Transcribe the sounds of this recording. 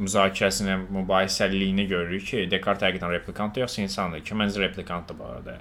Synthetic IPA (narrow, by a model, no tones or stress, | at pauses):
myzɑːcʰiɾæsininmybɑːjisælːijiniɟø̞ɾyyjcʰid̪e̞kʰaɾt̪ʰhæɡid̪ænɾepʰlʲˠikʰɑnt̪ːjo̞χsɑinsɑnd̪ɯcʰimænziɾe̞pʰlˠikʰɑnt̪d̪abɑ̰ːɾæ̰d̪æ